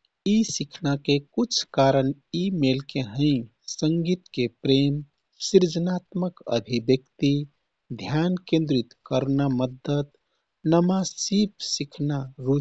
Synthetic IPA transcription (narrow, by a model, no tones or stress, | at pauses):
isikʰnakekut͡ʃʰkaɾən | imelkeɦə̃ɪ̃ | səŋɡit̪kepɾem | siɾd͡ʒənat̪məkə̰bʱibjəkt̪i | d̪ʱjankẽnd̪ɾit̪kəɾnaməd̪ət̪ | nəmasipsikʰnaɾu